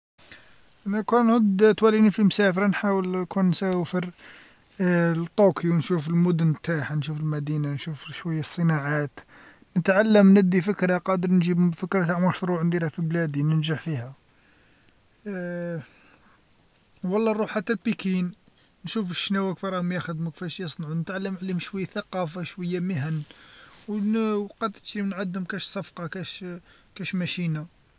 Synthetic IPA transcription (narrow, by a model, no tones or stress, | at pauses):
ʔænækunʕʊd̪t̪wælinifimsæfəɾnħawəlkʰunnsæfəɾ | t̪ˤːukʰiwnʃufəlmʊd̪ʊnt̪aħnʃufəlmæd̪inanʃufʃwəjːasˤːənaʕat̪ | nət̪ʕalːəmnəd̪ːifəkɾɑqɑd̪əɾnʒibfəkɾɑt̪aʕmɑʃɾuʕnd̪iɾæfiblæd̪inənʒaʕfihæ | wɑlˤːɑrˤuħat̪ːælpikin | nʃufəʃnæwækfiɾˤɑhmjæxəd̪mukfæʃjəsˤnʕunət̪ʕalːəmʕlihmʃwæjːæθæqɑfaʃwəjːæməɦənwwqɑt̪ə̥t̪ʃɾimnʕad̪hʊmkæʃsˤɑfqɑkæʃ | kæʃmæʃina